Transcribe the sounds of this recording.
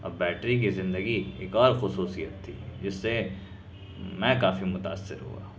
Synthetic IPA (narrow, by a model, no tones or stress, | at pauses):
ɔbɛːʈɾik̬izɪ̃nd̪əɡieːkɔːɾxʊsuːsijət̪ʰːḭːd͡ʒɪsːe | mɛ̃kaːfimʊt̪a̰ːsːɪ̰ɾɦṵa̰ː